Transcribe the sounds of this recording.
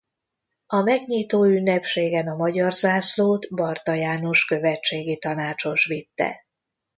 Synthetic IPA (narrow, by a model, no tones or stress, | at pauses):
ɒmɛɡɲiːt̪oːynːɛpʃeːɡɛnɒmɒɟɒrzaːsloːt̪bɒrt̪ɒjaːno̞ʃkø̞vɛt͡ʃːeːɡit̪ɒnaːt͡ʃo̞ʃʋit̪ːɛ̰